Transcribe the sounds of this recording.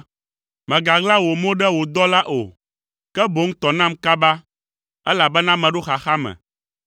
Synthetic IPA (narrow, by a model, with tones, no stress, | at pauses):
mɛ̃˨ɡa˨ɡla˦wo˨mõ˦ɖɛ˦wo˨d̪ɔ˦la˦ʔo̰˨ | kɛ˦bo˨˦ŋ̩˦t̪ɔ˨nã˦mka˦ba˦ | ɛ˦la˨bɛ˦nã˦mɛ̃˨ɖo˦xa˨xa˦mɛ̰̃˨